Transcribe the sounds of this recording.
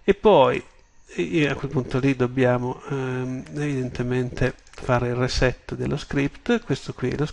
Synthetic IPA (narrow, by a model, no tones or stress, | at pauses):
epːɔj | akːwelpunt̪olid̪objaːmo | evid̪ent̪ement̪ʰefaːɾeilresɛt̪ːod̪elːʔoskɾipt̪kwest̪okwiɛ̰los